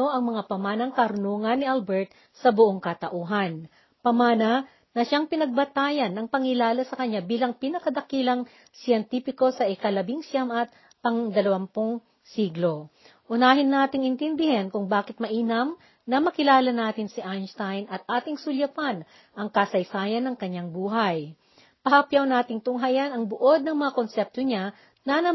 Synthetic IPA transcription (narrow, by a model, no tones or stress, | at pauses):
oʔɐŋmɐŋapɐmaːnɐŋkɐɾʊnuːŋɐnːɪʔalbɛɹt̪̚ | sɐbʊʔoŋkɐt̪ɐʔuːɦɐn | pɐmaːnɐ | nɐʃaŋpɪnɐɡ̚bɐt̪aːjɐnːɐŋpɐŋɪlaːlɐsɐkɐɲːabiːlɐŋpinɐkɐd̪ɐkiːlɐŋ | sɪjɛnt̪iːpɪko̞sɐʔɪkɐlɐbiŋsjamʔɐt̪̚ | pɐŋd̪ɐlɐwampoŋ | siːɡlo̞ | ʔʊnaːhɪnːaːt̪ɪŋɪnt̪ɛnd̪ɪhɛnkʊŋbaːkɪt̪̚mɐʔiːnɐm | nɐmɐkɪlaːlɐnaːt̪ɪnsɪʔanst̪ajnɐt̪̚ʔaːt̪ɪŋsʊljɐpan | ʔɐŋkɐsɐjsaːjɐnːɐŋkɐɲːaŋbuːɦɐj | pɐhɐpjawnaːt̪ɪŋt̪ʊŋɦajɐnɐŋbʊʔod̪̚nɐŋmɐŋakonsɛp̚t̪oɲa | nɐnɐ